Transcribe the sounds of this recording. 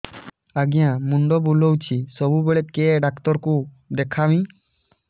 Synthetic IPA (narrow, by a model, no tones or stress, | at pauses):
aɡijãmuɳɖɔbulɔwt͡ʃʰisɔbubeɭɛt̪̚keɖakt̪ɔɾku | d̪ɛkʰawĩ